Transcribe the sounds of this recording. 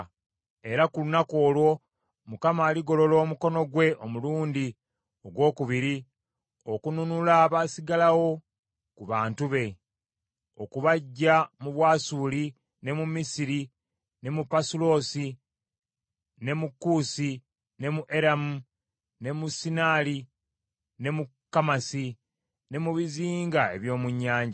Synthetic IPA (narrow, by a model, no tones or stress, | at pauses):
e̞ɾakulunako̞ːlwo̞ | mukamaːliɡo̞lo̞lo̞ːmuko̞no̞ɡwe̞ʔomuluːndi | o̞ɡwo̞ːkuβiɾi | okununulaːβasiɡalawo̞ | kuβaːntuβe̞ | o̞̰kuβaɟːamuβwaːsuli | ne̞mumisiɾi | ne̞mupasulo̞ːsi | ne̞mukːuːsi | ne̞muʔe̞ɾamu | ne̞musinaːli | ne̞mukːamasi | ne̞muβiziːŋɡae̞̰βjo̞ːmuɲːaːɲɟa